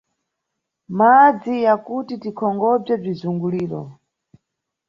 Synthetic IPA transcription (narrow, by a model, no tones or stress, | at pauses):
mad͡zijakutitikʰɔŋɡɔb͡ʐɛb͡ʐizuŋɡuliːɾɔ̰